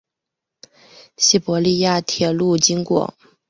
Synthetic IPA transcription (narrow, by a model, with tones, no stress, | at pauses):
ɕi˥˩pɔ˧˥li˥˧ja˥˩t̪ʰjɛ˥˩lu˥˩t͡ɕi˥ŋkwɔ̰˨˩˦